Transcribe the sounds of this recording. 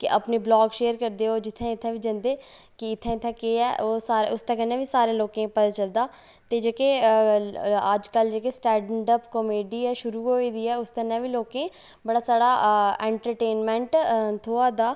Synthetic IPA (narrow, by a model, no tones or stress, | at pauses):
kɪʔəpneːblɔːɡʃeːəɾkəɾd̪eːɦoːd͡ʒɪt̪ʰːẽːɪt̪ʰːɛ̃ːʋiːd͡ʒənd̪eː | kɪɪt̪ʰːɛ̃ːɪt̪ʰːɛ̃ːkeːɛ̰ːʔoːsaːɾʊst̪ʰɛ̃ːkənɛ̃ːʋiːsaːɾẽːloːkẽːpət̪aːt͡ʃəld̪aː | t̪eːd͡ʒeːkeː | əd͡ʒkəld͡ʒeːkeːsʈɛ̃ːɳɖəpkomeːɖiːɛːʃʊɾuːɦoːiːd̪iːɛːʊst̪ənɛ̃ːʋiːloːkẽː | bəɽaːsaːɽaːɛ̃ːɳʈəɾʈeːnmɛ̃ːɳʈt̪ʰoːaːd̪aː